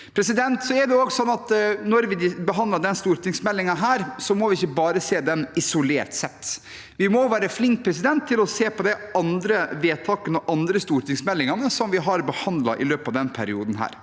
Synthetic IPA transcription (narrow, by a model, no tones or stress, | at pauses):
pʰɾɛsɪd̪ɛnt̪sɔɛɖɛoːɡsɔnːɑt̪nɔɾʋɪɪbəɦɑnd̪lɑɖɛnst̪uːɾt̪ɪŋsmɛlːɪŋɑɦæːɾsɔmɔʋɪɪçːəbɑːɾəseːd̪ɛnɪsʊleːɾʈ̪sɛt̪ː | ʋɪmɔʋæːɾəflɪŋk̚pʰɾɛs̬ɪd̪ɛnt̪ʰːɪlɔseːpɔd̪ɛɑnd̪ɾəʋeːt̪ʰɑːkənɔʔɑnd̪ɾəst̪uːɾʈ̪ɪŋsmɛlːɪŋɑnəsɔmʋɪɦɑɾbəhɑnd̪lɑ̰ʔɪ̰løːpɑʋd̪ɛnpʰæɾɪuːd̪n̩ɦæ̰ːɾ